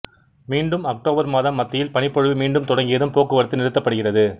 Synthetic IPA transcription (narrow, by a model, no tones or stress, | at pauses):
miːɳɖɯmɐk̚ʈoːbɐɾmaːðɐmːɐt̪ːɪjɪlpɐɳɪpːɔɻɯʋimiːɳɖɯmt̪ɔɽɐŋɡɪjɐðɯmpoːkːɯʋɐɾɐt̪ːɯnɪɾɯt̪ːɐpːɐɽɯɣɪrɐðɯ